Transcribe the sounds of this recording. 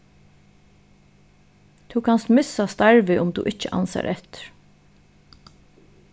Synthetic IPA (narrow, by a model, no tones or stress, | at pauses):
t̪ʰukʰanst̪mɪsast̪aɹʋɪʔʊmt̪ṵːʔɪt͡ʃəʔa̰nsa̰ɾʔɛt̪ɪ̥ɾ̥